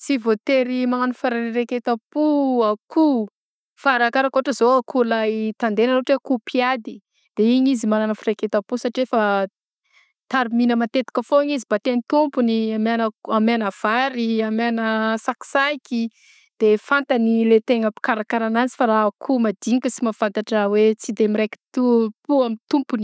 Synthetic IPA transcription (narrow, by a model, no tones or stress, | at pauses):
t͡sivot̪eɾimaŋanufaɾaɾeket̪apuakʰu | faɾakaɾakooʈ͡ʂəzoakʰulajt̪and̪enanoʈ͡ʂekupʰiad̪i | d̪̥eiɲizimananəfiɾeket̪apusaʈ͡ʂiefə | t̪aɾiminəmat̪et̪i̥kəfoiɲizibat̪enit̪umpuniamanəamanəv̥aɾiamanəsaki̥saiki | d̪̥efant̪ənilet̪eŋapi̥kaɾakaɾanant͡si̥faɾakʰumad̪iɲikəsimafant̪aʈ͡ʂawet͡sid̪emiɾeki̥t̪upuamit̪umpuni